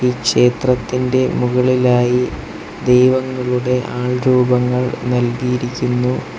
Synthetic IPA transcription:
iːkʂe̞ːt̪rɐt̪ːinde̞muɣɐɭilaːji | d̪ejʋɐŋːɐɭuɽe̞ʔaːɭɾuːbɐŋːɐɭnɐlɡijiɾikʲːunːu

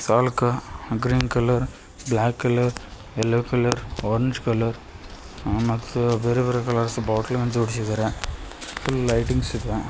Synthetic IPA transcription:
saːlkːɐɡɾiːnkɐlɐɾ | blaːkːɐlɐɾ | ɛlːɐkɐlɐɾoːɾɛɲd͡ʒkɐlɐɾ | mɐt̪ːɯʋɛɾɯʋɐɾɐkɐlɐɾsbaːʈɐlʋɐnd͡ʒɐʋɐɽɪsɪɐðɐɾɐ̃ | fʊlːlɐɪʈɪŋɡsɪpːɛ̃

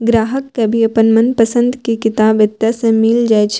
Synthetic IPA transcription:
ɡɾaːɦəkːebʱiɐpənmənpəsə̃nd̪kikɪt̪aːbɪt̪jasẽmɪld͡ʒaːet͡ʃʰ

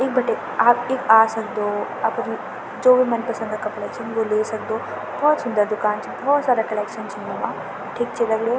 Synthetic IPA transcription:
ɪk̚bɐʈeː | aːpɪkaːsɐkd̪oː | ɐpəɾ | d͡ʒoːbimɛnpɐsə̃nd̪akɐplɛːksʰə̃nʋoleːsɐk̚d̪oː | bɔːt̪sʊnd̪əɾd̪ʊkaːnt͡ʃibɔːt̪saːɾakɐlɛːkʃənt͡ʃʰinomãː | ʈʰik̚t͡ʃʰed̪ɐɡɽjoː

